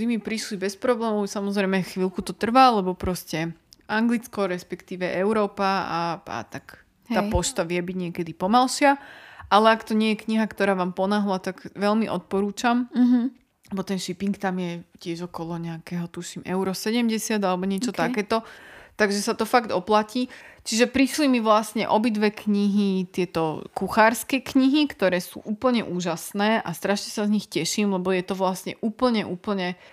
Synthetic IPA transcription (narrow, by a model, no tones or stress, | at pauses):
imipɾiʃlibɛspɾɔblɛːmɔʊsamɔzɾɛjmɛxʋilkut̪ɔt̪r̩ʋalɛbɔpɾɔscɛʔaŋɡlit͡skɔɾɛspɛkt̪iːʋɛʔɛʊɾɔːpaaa̰t̪ak̪ | aːpɔʃt̪aʋɪɛbiɟɲɪɛkɛd̪ipɔmalʃɪaʔalɛakt̪ɔɲɪɛjɛkɲiɦakt̪ɔɾaːʋaːmpɔnaɦlat̪aɡʋɛlmiʔɔt̪̚pɔɾuːt͡ʃam | bɔt̪ɛnʃipiŋkt̪amjɛcɪɛʒɔkɔlɔɲɛakɛːɦɔt̪uʃimɛʊɾɔsɛɟɛmɟɛsɪad̪alɛbɔɲɪɛt͡ʃɔt̪akɛːt̪ɔt̪aɡʒɛsat̪ɔfaɡd̪ɔplaciːt͡ʃiʒɛpɾiʃlimiʋlasɲɛ̰ʔɔbid̪ʋɛkɲiɦit̪ɪɛt̪ɔkuxaːɾskɛkɲiɦikt̪ɔɾɛːsṵːʔuːpl̩ɲɛʔuːʒasnɛːʔa̰st̪ɾaʃɲɛsazɲixcɛʃiːmlɛbɔjɛt̪ɔʋlasɲɛ̰ʔuːpl̩ɲɛʔuːpl̩ɲɛ